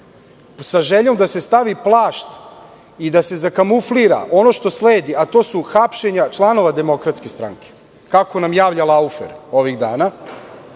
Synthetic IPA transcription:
saʒeʎo̞md̪ase̞st̪aʋiplˠaːʃt̪ | id̪ase̞zakamufliɾa̰ʔo̞no̞ʃt̪o̞sleːd̪iat̪o̞ːsuxapʃe̞ɲat͡ʃlˠano̞ʋad̪e̞mo̞kɾat̪skest̪ɾa̰ŋke̥ | kako̞namjaːʋʎalaufḛɾo̞ʋiɣd̪a̰ːna

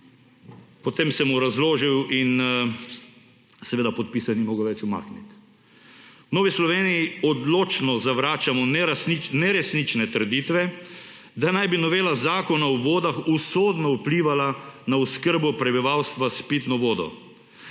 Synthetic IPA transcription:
pɔt̪emsɛmuɾazloːʒiwin | sɛʋeːd̪apɔt̪̚pisanimoːɡoʋɛt͡ʃuma̰ːknit̪ | noːʋislɔʋeːnijiɔd̪loːt͡ʃnɔzaʋɾaːt͡ʃamɔnɾasninɛɾɛsnit͡ʃnɛt̪əɾd̪it̪ʋɛ | d̪anajbinɔʋeːlazaːkɔnawʋoːd̪axusoːd̪nɔupliʋalanauskəɾbɔpɾɛbiʋawst̪ʋaspit̪nɔʋoːd̪ɔ̰

